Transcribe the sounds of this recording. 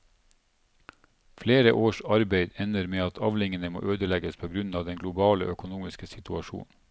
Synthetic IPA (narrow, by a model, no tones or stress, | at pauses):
fleːɾəʔoːʃɑɾbeɪd̪ɛnəɾmeːɑt̪ʰɑʋlɪŋənəmo̰ːʔøːd̪əlɛɡəspʰoːɡɾʉnɑːʋd̪ɛnɡlʊbɑːlə̰ʔœkʊnuːmɪskəsɪt̪ʰʉɑʃṵːn